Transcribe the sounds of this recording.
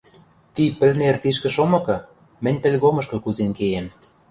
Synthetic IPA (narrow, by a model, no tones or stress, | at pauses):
t̪ipɘ̆lnert̪iʃ̬kɘ̆ʃomɤ̆kɤ̆ | mɘ̆nʲpĕlʲɣomɤ̆ʃkɤ̆kuzenkejem